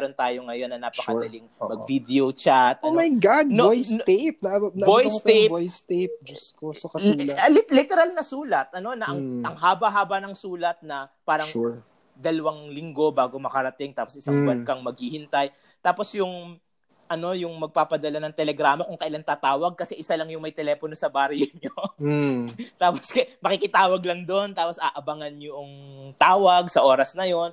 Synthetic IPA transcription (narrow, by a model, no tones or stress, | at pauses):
ɾo̞nt̪aːjo̞ŋɐjo̞nːɐnaːpɐkɐd̪ɐliŋmɐɡvid̪ɛot͡ʃat̪ʔɐnmɐjɡad̪noojst̪ep̚nɐnɐbojst̪ebojst̪ep̚d͡ʒʊskosokɐllɪt̪ɛɾalnɐsuːlɐt̪̚ʔɐno̞nɐʔɐŋʔɐŋɦaːbɐɦaːbɐnɐŋsuːlɐt̪̚nɐpaːɾɐŋ | d̪ɐlɐwaŋlɪŋɡo̞baːɡo̞mɐkɐɾɐt̪ɪŋt̪aːpo̞sɪsaŋbɐnkɐŋmɐɡ̚hihɪnt̪aj | t̪aːpo̞sjʊŋ | ʔɐno̞jʊŋmɐɡ̚paːpɐd̪ɐlanɐŋt̪ɛlɛɡɾaːmɐkʊŋkɐʔɪlant̪aːt̪aːwɐɡ̚kɐsɛʔɪsalɐŋjʊŋmɐjt̪ɛlɛːpono̞sɐbaːɾjʊɲo | t̪aːposkɐmɐkikɪt̪aːwɐɡlɐŋd̪o̞nt̪aːpo̞sʔaːʔɐbɐŋɐnjʊʔŋt̪aːwɐɡsɐʔo̞ːɾɐsnɐjo̞n